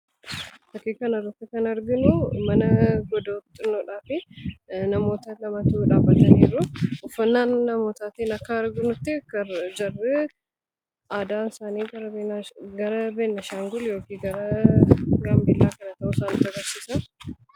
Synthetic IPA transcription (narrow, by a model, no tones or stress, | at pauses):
t̪ɐkiːkɐnɐrːɐt̪ːɪkɐnɐɾɡɪnʊmɐnɐɡɔd̪oːt̪ʼːɪnːoːᶑaːfɪnɐmo̞ːt̪ɐlɐmɐt̪uːᶑaːbːɐt̪ɐniːɾʊʊfːɐnːaːnːɐmo̞ːt̪aːt̪iːnɐkːɐɾɡɪnʊt̪ːɪkːɐd͡ʒɐrːɛ | ʔaːd̪aːnsaːniːɡɐɾɐɡɐɾɐbeːnːɐʃaːŋɡʊljo̞ːkiːɡɐɾɐ | ɡɐmbilːaːkɐnɐt̪ɐʔusaːnɪːt̪ɐɡɐɾsiːsɐn